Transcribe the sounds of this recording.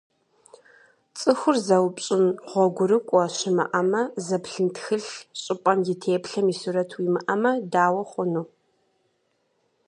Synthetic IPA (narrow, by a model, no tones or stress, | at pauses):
t͡sʼɨxʷʊrzɐwpʼɕʼɪnʁʷɔɡʷʊɾɨkʷʼɔɕɪmɨ̰ʔɐmɐzɐpɬɨntxɨɬɕʼɪpʼɐmjɪtʰeːpɬɐmiːsuɾɐtʰwiːmɨʔɐmɐdaːwɐχʷʊnuː